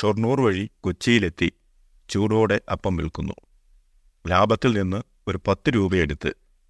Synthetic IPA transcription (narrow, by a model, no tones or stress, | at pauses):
ʂornuːrʋɐɻikot͡ɕːijile̞t̪ːi | t͡ɕuːɽo̞ːɽe̞ʔɐpːɐmʋḭɭkunːṵ | laːbɐt̪ːilninːɨ | o̞ɾupɐt̪ːɨɾuːbɐjeɽut̪ːɨ̰